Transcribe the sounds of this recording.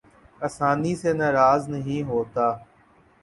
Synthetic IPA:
ɐsaːniseːnaːɾaːznəɦĩːɦoːt̪aː

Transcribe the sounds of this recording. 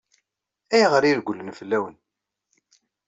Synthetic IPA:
æjʁəɾiɾɡʷulːənfəlːæwən

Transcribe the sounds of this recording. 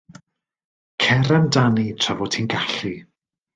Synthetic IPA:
kʰɛɾandanitʰravɔtʰiːnɡaɬi

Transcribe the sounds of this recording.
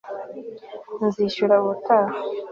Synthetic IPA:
nziʃuɾaβutʰaːha

